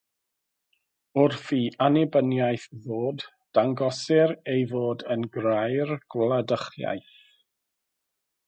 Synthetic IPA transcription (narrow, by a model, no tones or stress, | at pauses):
ʊrfiːʔanɛbənjajθvoːd | d̥aŋɡɔsɪɾejvoːdənɡrajrɡ̥wlˠadəχja̰jθ